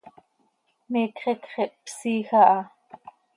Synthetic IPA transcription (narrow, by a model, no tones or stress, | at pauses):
meːkχɛkχɛʔpsiːxɑʔɑ